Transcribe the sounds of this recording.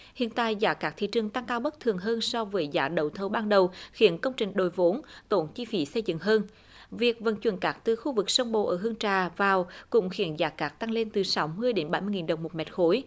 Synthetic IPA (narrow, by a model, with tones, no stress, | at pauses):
hḭ˧˨ənt̪a̰ː˧˨jzaː˨˦kaː˦˥k̚t̪ʰḭ˧˨t͡ɕɨ˨˩əŋt̪a˧ŋkaː˧wɓə˦˥k̚t̪ʰɨ˨˩əŋɦəː˧nsɔ˧vəː˨˦jzaː˨˦ɗə˨˩wt̪ʰə˨˦ɓaː˧nɗə˨˩wxi˨˧˩ənkə˧wŋ͡mt͡ɕï˨˩ŋ̟ɗo˨˩jvo˨˦nt̪o˧˩nt͡ɕi˧fi˨˦sə˧jzɨ̰˧˨ŋɦəː˧n | vi˨˩ək̚və̰˧˩nt͡ɕwə˨˧˩nkaː˦˥k̚t̪ɨ˨˩xu˧vɨ˨˩k̚sə˧wŋ͡mɓo̰˧˩ʔəː˧˩ɦɨ˧əŋt͡ɕaː˨˩vaː˨˩wkʊ̰˧˥ŋ͡mxi˧˩˦ənzaː˨˦kaː˦˥k̚t̪a˧ŋle˧nt̪ɨ˨˩sa˨˦wmɨ˧əjɗe˨˦nɓa˧˩jmɨ˧əjŋi˨˩nɗə˨˩wŋ͡mmo˨˩t̚mɛ̰˨˥t̚xo˨˦j